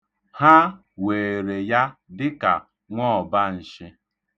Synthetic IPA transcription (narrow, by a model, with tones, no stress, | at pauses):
ha˦ | we˨ɾe˨ja˦dɪ˦ka˨ | ŋʷɔ˦ɔ˨ba˦n̩˨ʃɪ˦